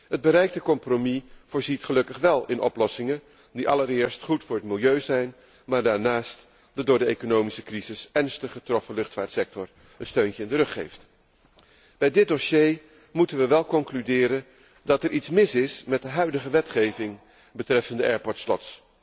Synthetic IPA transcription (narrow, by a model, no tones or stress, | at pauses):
ɦəd̚bəɾɛjk̚təkɔmpromiv̥ʊːɹzitχəlɵkəχʋɛlˠɪnʔɔplɔsɪŋən | diʔɑləɾɪːɹstχutfʊːɹətmɪlˠjøɥzɛjn | maːɹdaːɹnaːst | d̥ɑdʊːɹdəejkonowmisəkrizɪsɛɹnstəχətrɔfəlɵχtfaːɹtsɛk̚tɔɹ | ənstøɥncəɪndərɵχḛjft | b̥ɛjdɪd̚oʃej | mutənʋəʋɛlˠkɔŋklydɪːɾən | dɑtɛɹʔitsmɪsɪsmɛt̚dəɦœɥdəχəʋɛtχejvɪŋ | bətrɛfəndəʔɛːɹpɔɹtslɔ̰ts